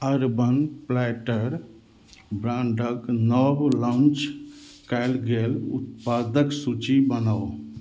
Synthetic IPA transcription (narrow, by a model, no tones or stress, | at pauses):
əɾbənplɛʈəɾ | bɾãɳɖəknəblãnt͡ʃkaɪlɡelṵt̪̚pad̪əksut͡ʃibənao